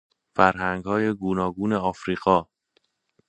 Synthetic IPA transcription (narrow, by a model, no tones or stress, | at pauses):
fæɾhæŋɡhɒːje̞ɡuːnɒːɡuːne̞ɒːfɾiːɣɒː